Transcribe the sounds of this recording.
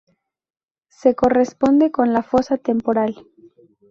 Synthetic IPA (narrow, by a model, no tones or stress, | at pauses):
se̞ko̞re̞spo̞nd̪e̞ko̞nlafo̞sat̪e̞mpo̞ɾal